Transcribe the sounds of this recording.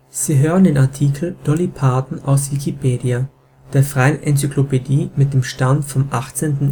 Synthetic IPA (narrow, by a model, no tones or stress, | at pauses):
z̥iːɦøːʁəndeːnaɐtʰiːkʰl̩d̥ɔlipʰaːdn̩ʔa̰ʊsv̥ikʰipʰeːdia | d̥eːɐfʁ̥aɪənʔɛnt͡syklopediːmɪt̚d̥eːmʃtantfɔmʔaχt͡seːntn̩